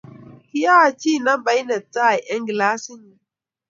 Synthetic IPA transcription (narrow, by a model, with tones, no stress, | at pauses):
ki˦jaː˦˨t͡ʃi˦˨na˦mba˦jnɛ˨tːa˦˨ʔɛ˦ŋɡlaː˦sɪ˦n˨